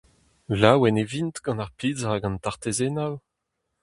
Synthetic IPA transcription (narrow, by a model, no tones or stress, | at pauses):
lawɛnevint̪ɡ̥ɑ̃naʁpiːzʁaɡɑ̃ntaʁt̪ezenaw